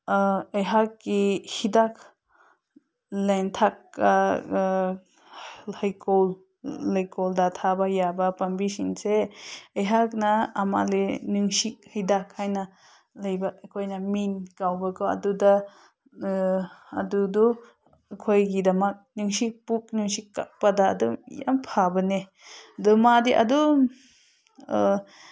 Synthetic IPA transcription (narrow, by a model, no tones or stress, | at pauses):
əjɦakːihidakʰ | leŋtʰakːa | hajkolː | ajkɔldatʰabajabapambisinseəjɦak̚naːma̰lenɯŋsik̚hijdakʰːajna | lajbakʰojnaminkawbakɔa̰duda | adudɔ | kʰojɡidamak̚nɯŋsik̚puk̚nɯŋsikːa̰pada̰ːdɔmja̰mpʰabane | dɔmadiʔa̰dɔm